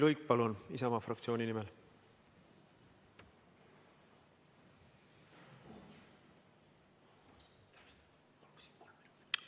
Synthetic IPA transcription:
lujk̚pɑlunisɑmɑfrɑkt̪sio̞ːnʲinimel

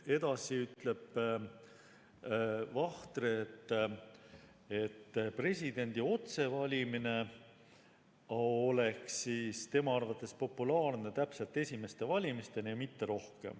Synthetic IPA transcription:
e̞d̪̥ɑsiyt̪ˑle̞b̥ | vɑht̪ɾeːt̪ːˑ | et̪ːpre̞sʲid̪e̞nʲd̪̥io̞t̪se̞vɑlʲimine̞ | ole̞ksiːst̪e̞mɑɑrvɑt̪ːˑe̞spo̞pːulɑːrne̞t̪æpselt̪ːe̞sʲime̞st̪e̞vɑlʲimist̪e̞nijɑmit̪ːe̞ɾo̞hke̞̰m

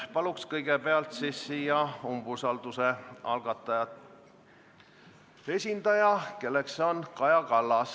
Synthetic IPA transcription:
pɑlukskɤjɡ̥epeɑlt̪sisːiːjɑumbusɑld̪useɑ̰lɡ̥ɑt̪ˑːɑjɑt̪ | e̞sʲind̪̥ɑjɑke̞lːe̞kso̞nkɑjɑkɑlːɑs

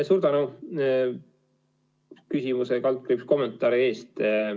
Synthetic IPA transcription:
suːɾd̪̥ɑnu | kysimusekɑlt̪̚kripsko̞mːent̪ˑːɑːɾie̞ːst̪

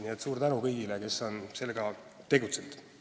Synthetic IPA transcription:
niet̪ːˑsuːrt̪ænukɤjɡileke̞sːo̞nse̞lːeɡ̥ɑt̪e̞ɡut̪send̪̥

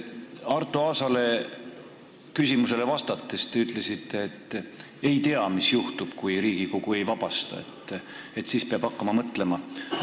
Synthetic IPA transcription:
ɑrt̪ːˑuɑːsɑle̞ | kysʲimuse̞le̞vɑst̪ɑt̪ːest̪eyt̪ˑle̞sit̪ːe̞ːt̪ːˑ | ejt̪e̞ɑmisjuht̪ub̥kujɾiːɡ̥iko̞ɡ̥ue̞jvɑb̥ɑst̪ɑ̰e̞̰t̪ːe̞t̪ːsiːspeɑb̥ɑkːɑmɑmɤt̪le̞mɑ

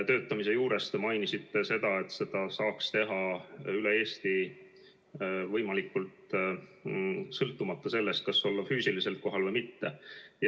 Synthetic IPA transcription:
t̪ø̞ːt̪ːˑɑmise̞juːɾe̞st̪emɑjnisit̪ːˑe̞se̞d̪ɑe̞t̪ːse̞d̪̥ɑsɑːkst̪e̞ɦɑylee̞ːst̪i | vɤjmɑlikːˑult̪ | sɤlt̪ːˑumɑt̪ːɑse̞lːe̞st̪̚kɑso̞lːɑfyːsilise̞lko̞ɦɑlvɤjmit̪ːe̞j

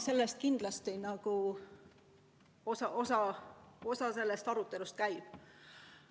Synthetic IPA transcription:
se̞lːest̪̚kind̪̥lɑst̪inɑɡ̥u | osɑʔo̞sɑo̞sɑse̞lːe̞st̪ɑɾut̪ːˑe̞lust̪̚kæjb̥

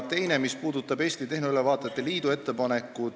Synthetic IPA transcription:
t̪e̞jne̞mispuːd̪ut̪ːˑɑbe̞ːst̪it̪e̞hneylevɑːt̪ːˑet̪ːˑeliːd̪ue̞t̪ːe̞pɑne̞kːˑu

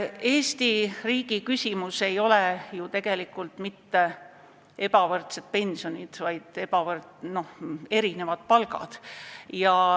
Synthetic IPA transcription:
e̞ːst̪iriːɡ̥ikysʲimuse̞jo̞lejut̪e̞ɡ̥e̞likːˑult̪mit̪ːe̞ | e̞bɑvɤrt̪sed̪̥̚pe̞nʲsio̞nʲid̪̥vɑjd̪̥epɑvɤrno̞he̞ɾine̞vɑd̪̥̚pɑlɡɑ̰d̪̥jɑ

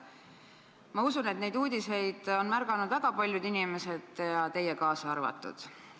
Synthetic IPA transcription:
mɑusune̞t̪ne̞jd̪uːd̪̥ʲise̞jd̪̥o̞nmærɡ̥ɑnud̪væɡ̥ɑpɑlʲjud̪inime̞se̞d̪̥jɑt̪e̞jekɑːsɑɑrvɑ̰t̪ːˑṵd̪̥

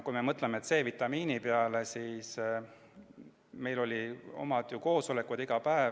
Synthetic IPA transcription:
kujme̞mɤt̪ˑlemeet̪se̞ːvit̪ːˑɑmiːnipeɑle̞siːs | me̞jlo̞lʲio̞̰mɑd̪̥juko̞ːso̞le̞kud̪̥iɡ̥ɑpæe

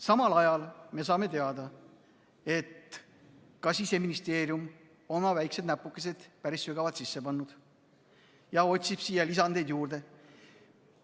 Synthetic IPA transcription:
sɑmɑlɑjɑlme̞s̬ɑːme̞t̪e̞ɑd̪̥ɑ | e̞t̪ | kɑsise̞minist̪e̞ːɾijum | o̞nmɑvæjksed̪næpːˑukːˑes̬e̞d̪̥pæɾisːyɡ̥ɑvɑd̪̥sisːe̞pɑnːud̪̥ | jɑo̞t̪ʲsib̥sijɑlisɑnd̪e̞jd̪̥juːɾd̪e̞

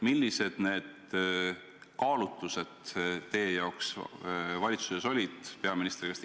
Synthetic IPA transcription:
milʲːise̞d̪̥ne̞ːd̪̥ | kɑːlut̪ːˑuse̞d̪̥t̪e̞jejɑoks | vɑlʲit̪suseso̞lʲid̪̥pe̞ɑminist̪rikɑst̪

